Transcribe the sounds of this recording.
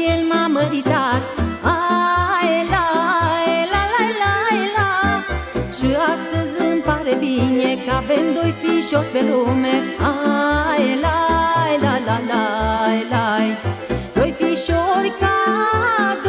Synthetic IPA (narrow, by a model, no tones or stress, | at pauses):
elmaməɾit̪at̪̚ajlajlalajlajla | ʃiast̪əzɨmpaɾebinekəavemd̪ojfiʃoɾpelumeajlajlalalajlajd̪̥ojfiʃoɾʲka | t̪